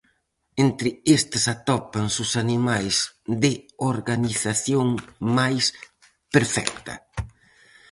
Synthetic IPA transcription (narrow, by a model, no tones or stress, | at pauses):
ent̪ɾɪest̪ɪsat̪ɔpaŋsʊsanimajsd̪ɪoɾɣaniθaθjoŋmajs | peɾfɛ̰k̚t̪ɐ̰